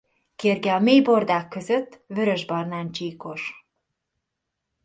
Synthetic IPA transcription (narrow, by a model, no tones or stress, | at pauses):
keːrɡɛɒmeːjbo̞rd̪aːkːø̞zø̞t̪ːvø̞ɾø̞ʒbɒrnaːnt͡ʃiːko̞ʃ